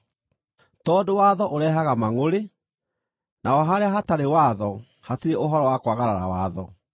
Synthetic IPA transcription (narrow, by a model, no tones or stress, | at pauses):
tɔːdowaðɔʔoɾɛːɦaɣamaŋoɾe | nʔaɔɦaɾeaɦataɾewaðɔ | hateɾeʔoɦɔɾɔwakwaɣaɾaɾa̰wa̰ðɔ